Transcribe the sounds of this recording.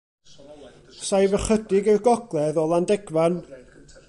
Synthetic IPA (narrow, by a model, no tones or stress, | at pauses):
sajvəχədɪɡɛɡɔɡlˠɛðɔlˠandɛɡvan